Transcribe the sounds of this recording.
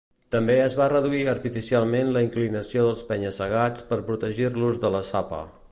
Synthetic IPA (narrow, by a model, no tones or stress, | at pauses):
t̪əmbeəzβarəðuiəɾt̪ifisialˠmenləiŋklinəsioðəlˠspɛɲəsəɣ̞at͡spəɾpɾut̪əʒirluzðələsapə̰